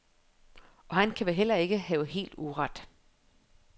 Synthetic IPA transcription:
ʔɒ̽hænkʰæʋeɦel̰ɐe̝ɡ̥əɦɛːʊɦe̝̰ːld̥uʁɑd̥

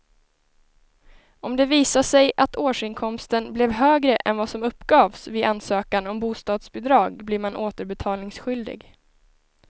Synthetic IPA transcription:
ɔmd̪ɛviːsaʂɛjʔat̪ʰoːʂɪnkʰɔmst̪ənblɛvɦøːɡɾəʔɛ̰nvasɔmɵpːɡɑːvsvɪʔansøːkanɔmbuːst̪ɑːd̪sbɛd̪ɾɑːɡblɪɾmanʔoːt̪əɾbɛt̪ʰɑːlnɪŋsɧʏld̪ɪ̰ɡ

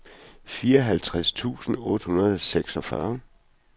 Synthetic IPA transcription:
fiːɐɒɦælt͡sʰʁast͡sʰṵːsn̩ɔ̽ːd̥hunɐð̞ˠseɡ̥sɒ̽fɶ̰ɐ

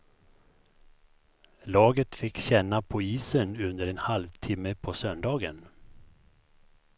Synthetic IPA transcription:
lɑːɡət̪fɪkːɕɛnːapʰɔiːsənɵnd̪əɾɛnhalvt̪ʰɪmːəpʰɔsœnd̪ɑːɡən

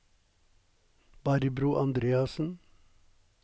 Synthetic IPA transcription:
b̥ɑːɾibɾuːʔɑnd̪ɾeːɑsən̩

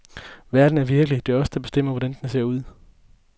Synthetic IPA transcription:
ʋæɐd̥n̩æɐʋiɐɡ̥əlid̥e̝æɐɒ̽səd̥ɑ̈b̥e̝sd̥em̰ɐʋɒɾ̥ænd̥ens̬e̝ɐ̰uð̞̰ˠ

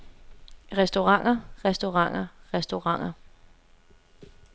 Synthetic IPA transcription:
ʁɛsd̥o̝ʁɑ̈ŋ̰ɐʁɛsd̥o̝ʁɑ̈ŋ̰ɐʁɛsd̥o̝ʁɑ̈ŋ̰ɐ

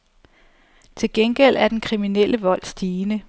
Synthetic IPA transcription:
t͡sʰe̝lɡ̥enɡ̥el̰æɐd̥enkʰʁiminelʔəʋɒ̽l̰sd̥iːnə

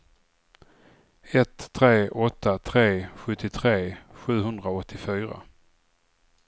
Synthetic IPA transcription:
ɛt̪ʰːɾeːʔɔt̪ʰːat̪ʰɾeːɧɵt̪ːɪt̪ʰɾeːɧʉ̟ːɦɵnd̪ɾaɔt̪ʰːɪfyːɾa̰

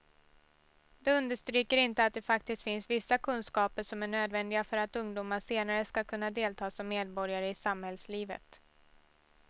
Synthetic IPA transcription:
d̪̥ɛɵnd̪əʂt̪ɾyːkəɾɪnt̪əat̪̚d̪ɛfak̚t̪ɪst̪fɪnsvɪsːakʰɵnskɑːpəɾʂɔmæɳøːd̪vɛnd̪ɪɡafœɾat̪ɵŋd̪uːmaʂeːnaɾəskakʰɵnːad̪eːlt̪ʰɑːsɔmːeːd̪bɔɾjaɾəɪsamhɛlsliːvə̰t̪

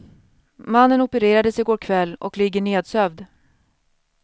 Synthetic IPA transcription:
manːənɔpəɾeːɾad̪əsɪɡoːɾkʰvɛlːɔ̰klɪɡːəɳeːd̪sœvd̪

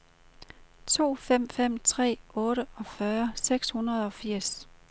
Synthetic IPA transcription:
t͡sʰo̝̰ːfem̰fem̰t͡sʰʁɛ̰ːɔːɾəɒ̽fɶɐseɡ̥shunɐð̞̩ˠɒ̽fiɐ̰s

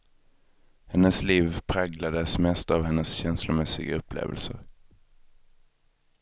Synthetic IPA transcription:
hɛnːəsliːvpʰɾaɡlad̪əsmɛst̪avɦɛnːəsɕɛnslʊmɛsɪɡaɵpːlḛːvə̰lsəɾ

